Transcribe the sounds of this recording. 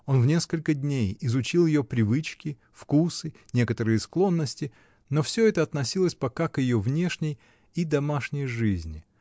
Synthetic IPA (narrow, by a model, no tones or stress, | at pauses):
o̞nvnʲe̞skəlʲkədʲnʲejɪzʊt͡ɕilˠjɪjopɾʲɪvɨt͡ɕkʲɪ | fkusɨnʲe̞kət̪əɾɨjɪsklˠo̞nːəsʲtʲɪ | no̞fsʲɵɛt̪əɐt̪nɐsʲilˠəsʲpɐkakjɪjovnʲe̞ʂnʲɪj | id̪ɐmaʂnʲɪjʐɨzʲnʲɪ